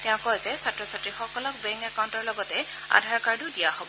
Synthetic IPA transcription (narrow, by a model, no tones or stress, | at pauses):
tɛʊ̃kɔjzɛsatɹɔsatɹixɔkɔlɔk̚bɛ̃ŋkakawntɔɹlɔɡɔtɛ | a̰dʱaɹkaɹdudijahobɔ